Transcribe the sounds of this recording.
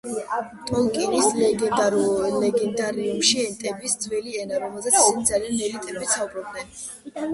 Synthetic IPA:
t̪ʼɔlˠkʼinisl | lɛɡɛnd̪aɾiumʃiɛnt̪ʼɛbisd̪zwɛliɛnaɾɔmɛlˠzɛt̪sʰisɛnid̪zalianmɛlint̪ʼɛmɛbit̪saubɾɔb̚d̪nɛn

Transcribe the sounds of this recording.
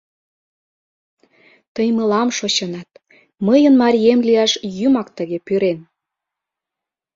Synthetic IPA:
t̪əjməlɑmʃot͡ɕɤnɑt̪̚ | məjənmɑɾʲiemliɑʃjymɑkt̪əɣepyɾen

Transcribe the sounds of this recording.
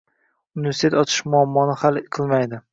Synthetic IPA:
ʊnɪvʲe̞ɾsɪt̪ʰet̪ɒt͡ʃ̪ʰɪ̥ʃmʊamːɒnɪhalˠqʰɨlˠmajd̪ɪ

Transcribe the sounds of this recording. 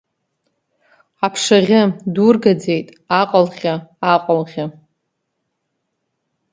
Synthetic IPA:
apʰʂaʁʲɪdurɡad͡zejtʼ | aqʼalʁʲaaqʼalʁʲa

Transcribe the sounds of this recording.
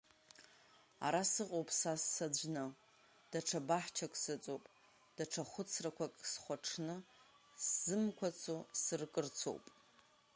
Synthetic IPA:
a̰ɾasɨqʼowpʼsasːad͡ʒʷnɨ | d̥aʈ͡ʂʰabaħt͡ʃʰakʷʼsɨt͡sʼopʼ | d̥aʈ͡ʂʰaχʷʊt͡sʰrakʷʰakʼsχʷaʈ͡ʂʰnɨ | szɨmkʷʰat͡sʰosɨrkʼɨrt͡sʰo̰wpʼ

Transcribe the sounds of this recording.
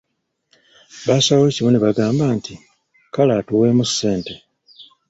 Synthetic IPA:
βaːsawocimuneβaɡaːmbaːnti | kalaːtuwe̞ːmusːe̞ːnte̞

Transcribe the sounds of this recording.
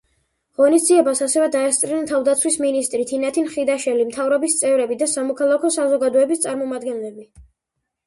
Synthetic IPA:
ʁɔnisd̪ziɛbasasɛvɛd̪aɛst̪sʼɾiɛnt̪ʰavd̪at̪sʰwisminist̪ʼɾit̪ʰinat̪ʰinχid̪aʃɛlimt̪ʰavɾɔbist̪sʼɛvɾɛbid̪asamɔkʰalˠakʰɔsazɔɡad̪ɔɛbist̪sʼaɾmɔmad̪ɡɛnlɛbi

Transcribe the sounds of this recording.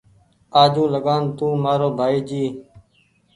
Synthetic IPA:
aːd͡ʒũːləɡaːnt̪ũːmaːɾoːbʱaːiːd͡ʒiː

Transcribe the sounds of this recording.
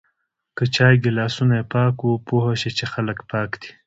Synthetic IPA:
kət͡ʃɑːjɡilɑːsunaepɑːkupoɦaʃet͡ʃexaləkpɑːkd̪̥i̥

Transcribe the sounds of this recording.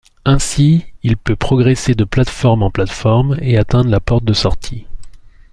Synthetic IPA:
ɛ̃siilpøpχɔɡʁesed̪əplat̪fɔʁmɑ̃plat̪fɔʁmeat̪ɛ̃d̪ʁlapɔʁt̪̚d̪əsɔʁt̪ʰi

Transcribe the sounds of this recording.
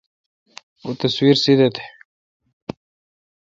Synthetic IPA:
ot̪əswiɾsid̪et̪ʰe̥

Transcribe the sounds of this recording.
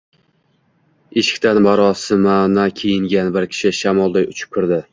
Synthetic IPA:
eʃɪ̥kʲt̪ʰanmaɾɒsɪmanakʲʰejɪŋɡʲanbɪɾkʲʰɪ̥ʃɪʃamɒlˠd̪ajʊt͡ʃʰɪ̥p̚kʰʊɾd̪ɪ

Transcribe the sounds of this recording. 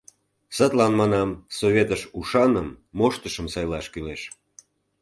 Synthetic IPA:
sət̪lɑnmɑnɑmsoβʲet̪əʃuʃɑnəmːoʃt̪əʃəmsɑjlɑʃkyleʃ

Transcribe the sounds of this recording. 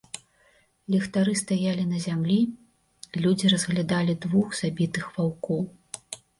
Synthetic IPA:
lʲɛxt̪aɾɨst̪ajalʲinɐzʲamlʲi | lʲud͡zʲiɾɐzɣlʲad̪alʲid̪vuxz̥abʲit̪ɨxvawkɔw

